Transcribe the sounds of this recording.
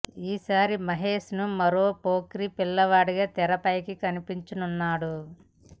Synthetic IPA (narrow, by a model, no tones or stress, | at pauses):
iːsaːɾimɐɦeːʃnumɐɾoːpoːkɾipilːɐʋaːɽiɡaːt̪ɛɾɐpɐjkikɐnipiɲt͡ʃinunːaːɽu